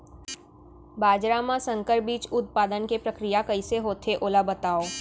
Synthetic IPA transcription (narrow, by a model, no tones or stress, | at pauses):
baːd͡ʒɾamãsə̃ŋkəɾbiːt͡ʃʊt̪̚paːd̪ənkepɾəkɾijakɐiseɦoːt̪ʰeʔoːlabət̪aːoː